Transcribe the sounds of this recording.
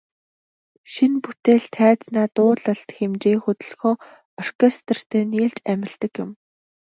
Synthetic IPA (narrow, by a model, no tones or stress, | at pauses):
ʃinput̪eːɮt̪ʰːæːt͡snæːt̪ʊːɮə̆ɮt̪xemt͡ɕeːxɵt̪ɵ̆ɮxɔː | ɔr̥kʰest̪ə̆r̥t̪ʰeːniːɮt͡ɕæmʲɪ̆ɮt̪ə̆kjʊm